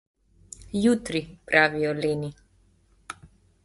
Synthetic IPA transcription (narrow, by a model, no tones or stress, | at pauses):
juːt̪ɾipɾʔaːʋijɔleːni